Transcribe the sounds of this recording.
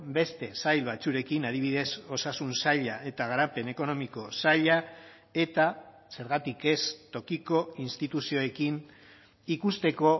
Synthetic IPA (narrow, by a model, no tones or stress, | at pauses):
be̞st̪e̞sajlβat͡suɾe̞kinaðiβiðe̞so̞sasunsaʎaʔe̞t̪aɣ̞aɾape̞ne̞ko̞no̞miko̞saʎa | e̞t̪a | se̞ɾɣat̪ike̞st̪o̞kiko̞inst̪it̪usio̞e̞kin | ikust̪e̞ko̞